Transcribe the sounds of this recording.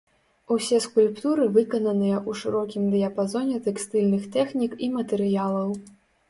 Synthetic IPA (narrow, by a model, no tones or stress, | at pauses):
usʲɛskulʲpt̪uɾɨvɨkɐnɐnɨjɐʔuʂɨɾɔkʲimd̪ɨjɐpazɔnʲɛt̪ɛkst̪ɨlʲnɨxt̪ɛxnʲikimɐt̪ɛɾɨjalˠɐw